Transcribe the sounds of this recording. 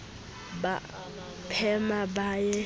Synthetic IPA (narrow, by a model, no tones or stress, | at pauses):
ba̰ | pʰɛmabajɛ